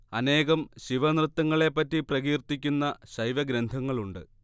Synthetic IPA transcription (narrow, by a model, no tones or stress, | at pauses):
ɐne̞ːɣɐmɕiʋɐnrɨt̪ːɐŋːɐɭe̞pːɐtːiprɐɣiːrt̪ːikʲːunːɐɕɐjʋɐɡɾɐnd̪ʱɐŋːɐɭuɳɖɨ